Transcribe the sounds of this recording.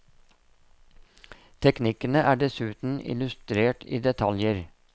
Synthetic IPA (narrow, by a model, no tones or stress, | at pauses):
t̪ʰɛknɪkənəʔæːɖɛsʉːt̪n̩ɪ̰lʉst̪ɾeːʈḭːd̪ɛt̪ʰɑljəɾ